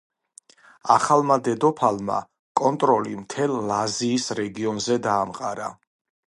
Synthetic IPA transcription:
aχalˠmad̪ɛd̪ɔpʰalˠma̰ | kʼɔnt̪ʼɾɔlḭmt̪ʰɛlˠlaziːsɾɛɡiɔnzɛd̪aːmqʼaɾa

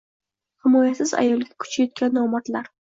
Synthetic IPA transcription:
hɪmɒjasɪza̰jɒlˠɡʲakʰʊ̥t͡ʃʰajɒt̪̚kʲanːɒmat̪laɾ

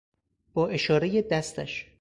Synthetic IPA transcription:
b̥ɒːʔe̞ʃɒːɾejed̪æst̪æʃ

